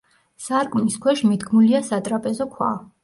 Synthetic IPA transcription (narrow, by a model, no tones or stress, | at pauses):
saɾkʼuniskʰwɛʃmid̪ɡmuliasat̪ʼɾapʼɛzɔkʰwa̰